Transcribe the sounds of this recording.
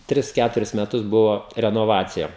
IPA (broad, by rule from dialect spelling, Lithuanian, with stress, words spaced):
ˈtʲrʲɪs ˈkʲætʊrʲɪs mʲɛˈtʊs ˈbʊʋoː rʲɛnoːˈʋɑːt͡sʲɪjɛ